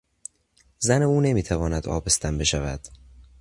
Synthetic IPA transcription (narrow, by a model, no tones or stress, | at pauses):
zæneuːne̞miːt̪ʰævɒːnæd̪ɒ̰ːbest̪ʰæmbe̞ʃævæd̪̥